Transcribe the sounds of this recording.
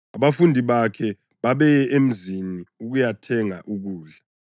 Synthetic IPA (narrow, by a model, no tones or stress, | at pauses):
aβafundʱiβakʰɛ | βaβɛjɛʔem̩ziniuɣujatʰɛŋaʔuɣuːɮa